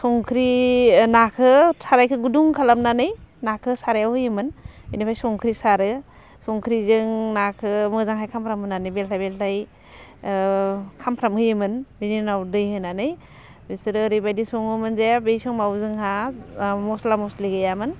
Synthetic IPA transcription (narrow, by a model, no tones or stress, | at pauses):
sɔŋkʰɾinakʰɯsʰaɾajkʰɯɡuduŋkʰalamnanɯjnakʰɯsaɾajawhɯjɯmɯnbinipʰajsɔŋkʰɾisaɾɯ | sɔŋkʰɾizɯŋnakʰɯmɯzaŋɦajkʰampʰɾamɯnanɯjbeltʰajbeltʰaj | kʰampʰɾamhɯjɯmɯnbininawdɯjɦɯnanɯj | bisɯɾɯːɾibajdisɔŋɯmɯnzebejsɔŋmawzɯŋɦa | mɔslamɔsliɡɯjamɯn